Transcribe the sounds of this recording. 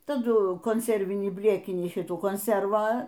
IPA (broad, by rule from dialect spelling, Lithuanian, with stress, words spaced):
tɐˈdʊ koːnʲˈsʲɛrʲʋʲɪnʲiː ˈbʲlʲeːkʲɪnʲiː ˈʃʲɪtuː koːnʲˈsʲɛrʋɑː